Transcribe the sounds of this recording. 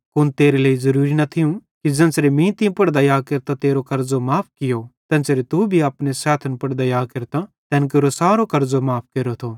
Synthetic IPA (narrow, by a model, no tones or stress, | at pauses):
kʊnt̪eːɾeleːizɐɾuːɾinɐt̪ʰɪjũkid͡ʒɛ̃ːnsɾemĩt̪ĩpɐɽd̪ajaːkeɾt̪ãt̪eːɾokɐɾzomaːp̚ʰkɪjot̪ɛ̃ːnsɾet̪ubʱiaːpnesɛːt̪ʰənpɐɽd̪ajaːkɐɾt̪ãt̪ɛ̃ːnk̬eːɾosaːɾokɐɾzomaːpʰkeːɾot̪ʰoː